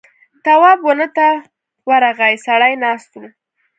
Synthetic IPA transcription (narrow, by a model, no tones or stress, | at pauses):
t̪awɑbwənət̪a | waɾaɣajsaɽajnɑst̪u